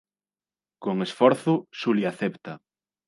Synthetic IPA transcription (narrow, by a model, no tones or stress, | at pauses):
koŋesfɔɾθʊʃuliaθept̪ɐ